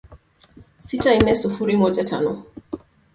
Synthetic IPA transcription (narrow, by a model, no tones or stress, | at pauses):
sitaimɛsufuɾimɔd͡ʒata̰nɔ